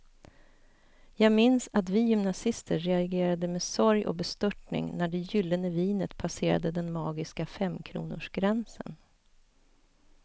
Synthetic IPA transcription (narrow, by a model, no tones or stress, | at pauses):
jɑːɡmɪnsat̪vɪjʏmnasɪst̪əːɛaɡeːɾad̪əmeːsɔɾjʔɔ̰bɛst̪ɵʈnɪ̰ŋnæɖɛjʏlːənəviːnət̪pʰaseːɾa̰d̪əd̪ɛnmɑːɡɪskafɛmːkʰɾṵːnʊʂɡ̥ɾɛnsə̰n